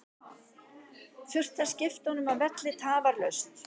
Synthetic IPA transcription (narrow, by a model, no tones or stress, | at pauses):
fjʏr̥t̪ḁscɪft̪ahɔnʏmavɛt̪lɪt̪ʰaːvaɾlœɥst̪